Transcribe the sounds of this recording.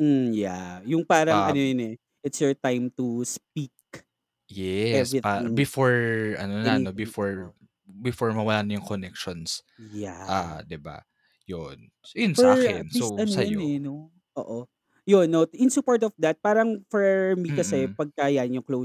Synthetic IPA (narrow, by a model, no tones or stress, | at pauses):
m̩ja̰jʊŋpaːɾɐŋʔɐnojnɛ | ʔɪt̪sjoɹt̪ajmt̪uspik̚ | jɛɛsiɪbɪfoɹʔɐ̰nonaobɪfoɹ | bɪfoɹmɐwɐlaːnɐjʊŋkonɛkʃonsjaʔad̪ɪba̰ | jon | ɪnɛakɪnsoɐnosɐjjnɛno | ʔoːʔo | jonːoʔɪ̃nsupoɹt̪ɔfd̪ɐt̪̚paːɾɐŋfɛmikɐsɛpɐɡ̚kajanjʊŋklow